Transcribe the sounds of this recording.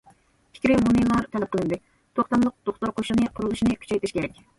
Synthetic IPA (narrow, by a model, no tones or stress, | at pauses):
pʰi̥kʲɾɪmunilˠɑɾt̪ʰɛlɛp̚qʰəlˠɨnd̪ɨ | t̪ʰoχt̪ɑmlˠʊq̚d̪̥oχt̪oɾqʰoʃlˠɨnɨqʰʊɾulˠuʃinɨkʲʰy̥t͡ʃɛjt̪ɪʃkʲʰeɾɛkʲ